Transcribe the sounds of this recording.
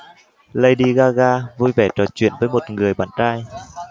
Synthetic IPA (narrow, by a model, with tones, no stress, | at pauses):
lə˧jɗi˧ɣaː˧ɣaː˧vu˧jvɛ˧˩t͡ɕɔ˨˩t͡ɕwḭ˧˨ənvəː˨˦jmo˨˩t̚ŋɨ˨˩əjɓaː˧˩nɗaː˧j